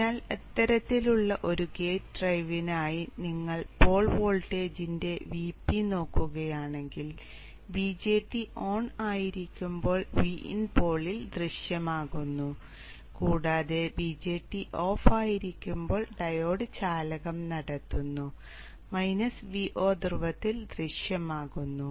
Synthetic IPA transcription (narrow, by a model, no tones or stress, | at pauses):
aːlet̪ːɐɾɐt̪ːiluɭːɐʔo̞ɾuɡeːrɐjʋinaːjiniŋːɐɭpo̞ːɭʋo̞ːɭʈe̞ːd͡ʑinde̞ʋiːpːino̞ːkːuɣɐjaːɳe̞ŋɡil | bid͡ʑe̞ːʈːiʔo̞ːɳaːjiɾikʲːumbo̞ːɭʋiḭnpo̞ːɭild̪riɕjɐmaːɣunːu | kuːɽaːðe̞bid͡ʑe̞ːʈːiʔo̞ːfaːjiɾikʲːumbo̞ːɭɖɐjo̞ːɽɨt͡ɕaːlɐɣɐmnɐɽɐt̪ːunːu | mɐjnɐsʋiʔo̞ːd̪irʋɐt̪ːild̪riʂjɐmaːɣunːu